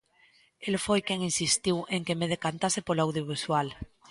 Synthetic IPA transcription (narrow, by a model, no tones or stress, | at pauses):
elfojkjeŋinsist̪iweŋkemeðekant̪asepolawðjoβ̞iswal